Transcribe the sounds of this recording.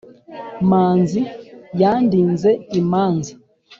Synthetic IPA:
manzijandinzɛimanzi

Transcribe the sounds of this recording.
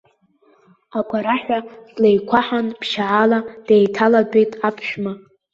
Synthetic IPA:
aɡʷaɾaħʷᶣazlejkʷʰaħanpʰʃaʕalad̥ejtʰaladʼejtʼapʰʃᶣma

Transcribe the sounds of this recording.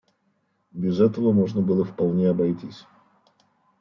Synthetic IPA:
bʲɪzɛt̪əvəmo̞ʐnəbɨlˠəfpɐlˠnʲeɐbɐjtʲisʲ

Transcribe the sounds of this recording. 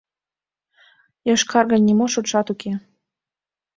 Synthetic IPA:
jɑʃkʰɑrɣɤ̆nʲːimoʃut̪ʃɑt̪ukʰe

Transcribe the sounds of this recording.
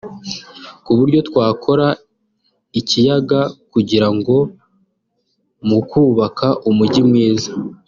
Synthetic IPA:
kuβuɾɟo̞tkwaːkʰo̞ɾa | icijaɡakuɟiɾaŋɡo̞ | mukuːβakʰaʔumuɟimŋiːza

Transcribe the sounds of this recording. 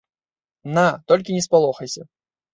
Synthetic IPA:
nat̪ɔlʲkʲinʲɛspalˠɔxɐjsʲɐ

